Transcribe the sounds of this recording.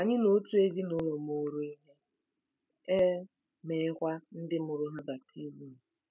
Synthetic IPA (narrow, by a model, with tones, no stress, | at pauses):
a˨ɲɪ˦no˨˦tu˦e˦d͡ʒi˦nʊ˦lɔ˨mo˨ɾo˦i˦ɦe˦ | e˦ | me˨˦kʷa˦n̩˦dɪ˦mʊ˨ɾʊ˦ɦa˦ba˨k̚tʰi˦zi˨m̩˨